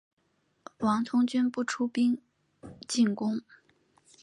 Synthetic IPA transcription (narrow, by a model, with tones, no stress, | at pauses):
wɑ˧˥ŋt̪ʰʊ˥ŋt͡ɕy˥npu˥˩ʈ͡ʂʰu˥pi˥ŋ | t͡ɕi˥˩nkʊ˥ŋ